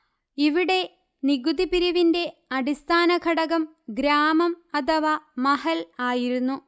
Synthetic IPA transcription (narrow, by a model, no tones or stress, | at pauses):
iʋiɽe̞ | niɡud̪ipiɾiʋinde̞ɐɽist̪ʰaːnɐkɐɽɐɣɐm | ɡɾaːmɐmɐt̪ʰɐʋaːmɐhɐlaːjiɾunːu